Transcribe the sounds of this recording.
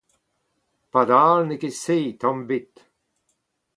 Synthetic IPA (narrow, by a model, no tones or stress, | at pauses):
pad̪aːlnekeseːt̪ɑ̃mbit̪